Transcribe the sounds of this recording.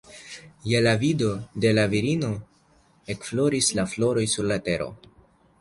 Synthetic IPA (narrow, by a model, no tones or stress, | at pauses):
jelavido̞de̞laviɾino̞ | e̞kflo̞ɾislaflo̞ɾo̞jsuɾlate̞ɾo̞̰